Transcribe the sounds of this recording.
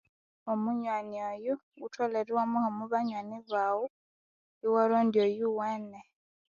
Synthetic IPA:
omuɲwaniɔjuutʰwɔlɛɾiwamuhɔmuβaɲwaniβawu | iwaɾɔndiɔjuwɛnɛ

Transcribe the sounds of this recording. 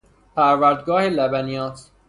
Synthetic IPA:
pʰæɾvæɾd̪ɡɒːhelæbænijɒːt̪

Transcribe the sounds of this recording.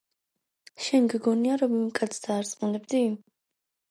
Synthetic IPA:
ʃɛnɡɡɔniaɾɔmimkʼat̪sʰd̪aːɾsʼmunɛbd̪i

